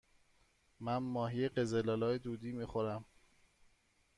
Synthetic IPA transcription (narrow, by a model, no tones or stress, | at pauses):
mænmɒːɦijeɢe̞zelɒːlɒːjed̪uːd̪iːmiːxoɾæm